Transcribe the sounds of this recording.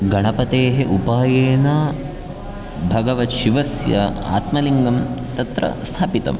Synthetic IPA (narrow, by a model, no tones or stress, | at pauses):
ɡɐɳɐpɐt̪eːɦeʔupaːjeːnɐ | bʱɐɡɐʋɐt̪ʃiʋɐsjɐ̰a̰ːt̪mɐliŋɡɐmt̪ɐt̪ɾɐ̰st̪ʰaːpit̪ɐ̰m